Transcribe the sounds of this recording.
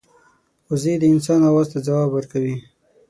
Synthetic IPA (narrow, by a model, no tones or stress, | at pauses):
ʊzed̪əɪns̬ɑnawɑzt̪ad͡zawɑbwəɾkawi